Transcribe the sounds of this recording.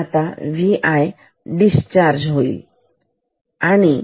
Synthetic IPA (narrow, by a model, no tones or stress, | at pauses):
at̪aʋiʔaj | ɖist͡ɕaɾd͡ʑɦoḭːl | añi